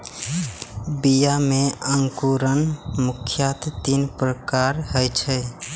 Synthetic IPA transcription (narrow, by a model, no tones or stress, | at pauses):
bijameəŋkuɾənmukʰjat̪t̪inpɾəkaɾɦəjt͡ʃʰɛ